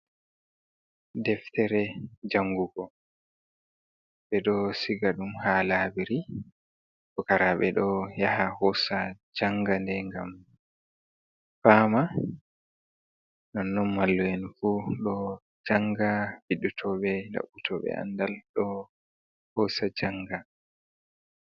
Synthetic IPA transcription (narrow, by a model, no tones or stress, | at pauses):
dɛftɛɾɛd͡ʒaŋɡuɡɔ | ɓɛɗɔsiɡaɗumhalabiɾi | kɔkaɾaɓɛɗɔjahahɔsad͡ʒaŋɡandɛŋɡam | faːma | nɔnːɔnmalːɔjɛnfuɗɔ | d͡ʒaŋɡafiɗutʰɔɓɛda̰ɓːutʰɔɓɛ̰a̰ndalɗɔ | hɔsad͡ʒaŋɡa